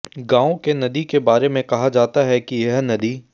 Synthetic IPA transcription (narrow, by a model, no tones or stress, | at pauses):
ɡãːõkenɐd̪ikebaːɾemẽkɐɦad͡ʒaːt̪aɦɛkijɐɦnɐd̪iː